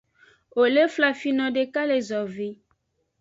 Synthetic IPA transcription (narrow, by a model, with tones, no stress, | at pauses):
o˨le˦fla˨fi˦nɔ̃˨ɖe˨ka˦le˨zɔ˨vi˨˦